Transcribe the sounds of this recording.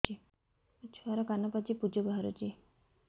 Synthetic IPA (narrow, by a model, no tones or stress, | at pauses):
i | t͡ʃʰuaɾɔkanɔpat͡ʃipud͡ʒɔbaɦaɾṵt͡ʃi